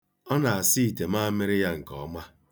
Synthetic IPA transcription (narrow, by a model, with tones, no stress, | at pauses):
ɔ˦na˨a˨si˦i˨te˨ma˦mɪ˦ɾɪ˦ja˦ŋ̩˨kɔ̰˨˦ma˦